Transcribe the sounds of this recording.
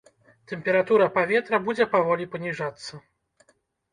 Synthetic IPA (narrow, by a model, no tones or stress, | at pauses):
t̪ɛmʲpʲɛɾat̪uɾɐpavʲɛt̪ɾɐbud͡zʲɛpavɔlʲipɐnʲiʐat̪sːɐ